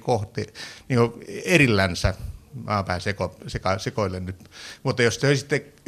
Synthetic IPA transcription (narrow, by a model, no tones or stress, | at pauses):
koht̪ˑeniːŋkoerilːænsæmɑːpææsekosekɑsekoilːennyt̪mut̪ːɑjosoˑisit̪ːe